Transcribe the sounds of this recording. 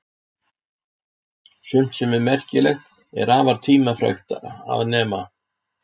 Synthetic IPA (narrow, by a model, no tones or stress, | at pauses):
sʏm̥t̪sɛmɛɾmɛr̥cɪlɛxt̪ | ɛ̰ɾaːvaɾ̥t̪ʰiːmafɾœ̰xt̪aa̰vnɛːma